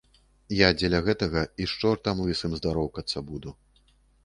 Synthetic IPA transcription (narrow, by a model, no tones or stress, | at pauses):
jad͡zʲɛlʲɐɣɛt̪ɐɣɐiʂt͡ʂɔrt̪amlˠɨsɨmzd̪aɾɔwkɐt̪sːɐbud̪u